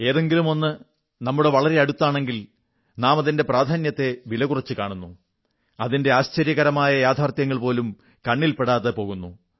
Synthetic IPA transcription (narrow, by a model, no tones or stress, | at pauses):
e̞ːðe̞ŋɡilumo̞nːɨ | nɐmːuɽe̞ʋɐɭɐɾe̞ɐɽut̪ːaːɳe̞ŋɡil | naːmɐðinde̞praːd̪ʱaːnjɐt̪ːe̞ʋilɐɣurɐt͡ɕːɨkaːɳunːu | ɐðinde̞aːɕt͡ɕɐɾjɐɣɐɾɐmaːjɐjaːd̪ʰʱaːrt̪jɐŋːɐɭpo̞ːlum | kɐɳːilpe̞ɽaːðepo̞ɣunːu